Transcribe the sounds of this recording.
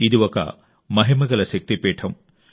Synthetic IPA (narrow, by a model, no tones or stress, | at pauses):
iðuʋɐkːɐ̰ | mɐɦimɐɡɐlɐɕɐk̚t̪ipeːʈʰɐm